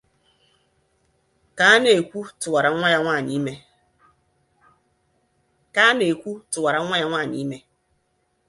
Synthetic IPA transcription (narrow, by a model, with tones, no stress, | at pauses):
ka˦ne˨kʷu˦tʊ˨wa˨ɾa˨˦ŋʷa˦ɲa˦ŋʷaː˦˨ni˦me˦ | ka˦ne˨kʷu˦tʊ˨wa˨ɾa˨˦ŋʷa˦ɲa˦ŋʷaː˦˨ni˦me˦